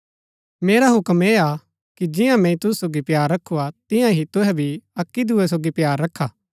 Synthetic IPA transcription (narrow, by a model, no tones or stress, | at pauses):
meːɾaɦʊkəmeːa | kid͡ʒɪjãmɛ̃ĩt̪ʊssoːɡipjaːɾːɐkʰuat̪ɪ̃jãɦit̪ʊɦɛbʱiɐkːid̪ʊes̬oːɡipjaːɾːɐkʰːaː